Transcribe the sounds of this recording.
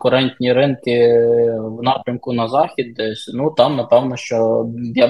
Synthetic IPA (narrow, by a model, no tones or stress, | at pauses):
kʊɾɛnʲt̪ʲnʲiɾɪnkɪ | wnɑpɾʲɐmkʊnɐzɑxʲid̪ːɛsʲnut̪ɑmnɐpɛwnɔʃt͡ʃɔja